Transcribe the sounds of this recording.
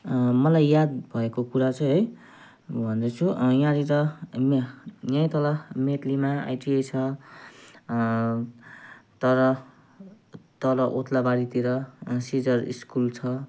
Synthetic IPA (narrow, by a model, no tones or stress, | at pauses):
mʌlajːjad̪bʱʌekokuɾat͡sʰʌɦʌj | bʱʌnd̪ʌt͡sʰujãɾiɾʌmjãjt̪ʌlamet̪ʰlimaa̰jʈiejt͡sʰʌ | t̪ʌɾʌ | t̪ʌɾʌʔot̪ʰlabaɾit̪iɾʌsid͡zʌrḭskult͡sʰʌ